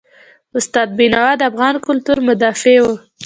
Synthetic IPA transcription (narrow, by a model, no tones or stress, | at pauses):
ʊst̪ɑd̪̚binɑwad̪əafɣɑnkʊlt̪uɾmʊd̪ɑfewu